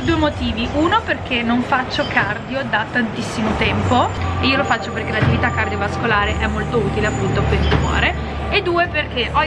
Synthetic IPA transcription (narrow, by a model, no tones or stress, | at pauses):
rd̪uːemot̪iːviʔunoperk̟enːoɱfat͡ʃːokʰard̪jod̪at̪ːant̪isːimot̪ɛmpoeiːolofat͡ʃːoperkelat̪ːivit̪akːard̪jovaskolaːɾeʔɛmːolt̪ouːt̪ileapːunt̪oakwesd̪umɔ̰ːɾe | ed̪ːuːeperk̟eʔɔ